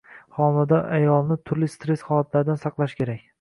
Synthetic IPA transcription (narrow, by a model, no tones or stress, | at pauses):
χɒmad̪aʔajɒlˠnɪt̪ʰʊɾlɪst̪ɾe̞sχɒlˠat̪ʰlaɾɪd̪ansɑqlˠaʃkʲʰe̞ɾakʲ